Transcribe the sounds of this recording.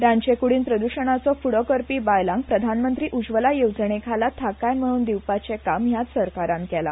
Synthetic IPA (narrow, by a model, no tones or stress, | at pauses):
ɾaɲt͡ɕekuɽiːnpɾəd̪uɕəɳ̃at͡sɔfuɽɔkəɾpiːbajlãŋɡ̚pɾəd̪ʱanmənt̪ɾiːʔud͡ʑʋəlajowd͡zɳekʰalat̪ʰakajm̤əɽ̃uːnd̪iwpat͡sekamjat̪səɾkaɾãnkɛla̰